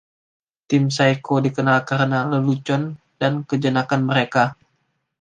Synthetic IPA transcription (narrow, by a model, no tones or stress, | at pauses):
t̪ɪmsajkodikənalkaɾənaləlut͡ʃɔn | dankəd͡ʒənakanməɾeka